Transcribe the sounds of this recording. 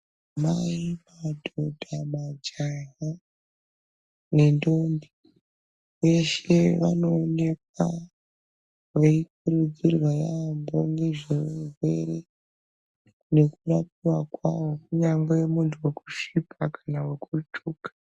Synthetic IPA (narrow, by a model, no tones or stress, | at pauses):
maimadʱodʱamad͡ʒaɦa | ne̞ndombi | uje̞ʃe̞ʋano̞ːne̞k̚wa | weikuɾud͡zirwajambo̞neʐezwe̞̰ɾe̞ | ne̞kuɾapiwakwawokuɲambejemuntʰuwe̞ku̥ʃipʰakʰanawekʰut͡ʃʰuːkḁ